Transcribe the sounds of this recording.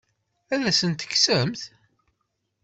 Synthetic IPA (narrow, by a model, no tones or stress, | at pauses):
æðæsənt̪ə̥kːsəmθ